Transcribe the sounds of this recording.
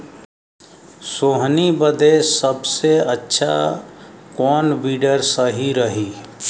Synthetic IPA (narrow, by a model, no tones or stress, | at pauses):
soːɦnibəd̪esəbseətːʃʰa̰ | kɔːnbiːɖəɾsəɦiɾəɦi